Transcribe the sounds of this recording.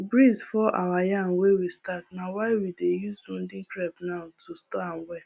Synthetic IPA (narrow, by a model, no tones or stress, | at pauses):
bɾizfɔʔawajan̩wewistat̚nawaɪwidejuzũndɪ̃ŋkɾɛbnaʊtʰustɔan̩wɛ